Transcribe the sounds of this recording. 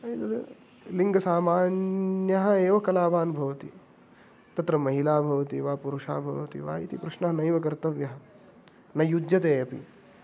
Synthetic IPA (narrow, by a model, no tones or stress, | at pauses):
ɐit̪ɐt̪ɐ̰ | liŋɡɐsaːmaːnjɐɦɐ̆eːʋɐkɐlaːʋaːnbʱɐʋɐt̪i | t̪ɐt̪ɾɐmɐɦilaːbʱɐʋɐt̪iʋaːpuɾuʃa̰ːbʱɐʋɐt̪ḭʋa̰ːḭt̪ipɾɐʃnɐɦɐnɐjʋɐkɐɾt̪ɐʋjɐɦɐ | nɐjud̪jɐt̪eːɐpḭ